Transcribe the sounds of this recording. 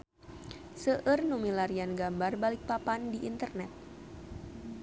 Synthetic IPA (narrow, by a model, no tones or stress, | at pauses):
səʔərnumilaɾianɡambarbalik̚papandiʔint̪ərnɛt̪̚